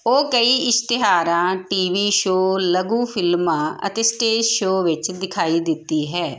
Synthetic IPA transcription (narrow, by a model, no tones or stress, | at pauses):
oːkəiːɪst̪ɪɦaːɾãːʈiːʋiːʃoːləɡũːpʰɪlmãːə̰t̪eːsʈeːd͡ʒʃoːʋɪt͡ʃd̪ɪkʰaːiːd̪ɪt̪ːiːɦɛː